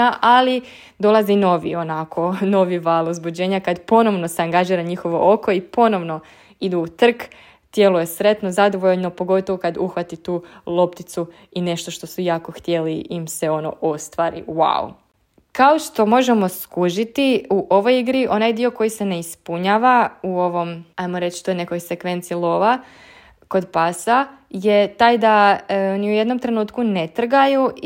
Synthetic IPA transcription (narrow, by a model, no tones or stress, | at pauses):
aʔali | d̪o̞lˠazino̞ʋḭo̞nakʰo̞no̞ʋiʋaːlˠuzbud͡ʑe̞ːɲakad̪po̞no̞ʋno̞seaŋɡaʒiːɾaɲixo̞ʋoʔoko̞ipo̞no̞ʋno̞ | id̪uːt̪r̩k | t̪je̞lˠuje̞sɾe̞t̪nozad̪o̞ʋoʎnopo̞ɡo̞t̪oʋokad̪uxʋat̪it̪uːlˠo̞pt̪it̪su | ine̞ʃt̪o̞ʃt̪o̞sujaːko̞xt̪je̞liimse̞o̞no̰ʔo̞st̪ʋaɾḭwa̰ṵ | kaoʃt̪o̞mo̞ʒemo̞skuʒit̪iuʔo̞ʋo̞jiɡɾiʔo̞najd̪io̞ko̞jise̞ne̞ispuɲaːʋauo̞ʋo̞majmo̞ɾe̞t͡ʃt̪ojne̞ko̞jse̞kʋe̞nt̪silˠo̞ʋa | ko̞d̪pasaje̞t̪ajd̪aniuje̞d̪no̞mt̪ɾe̞nuːt̪kune̞t̪r̩ɡaju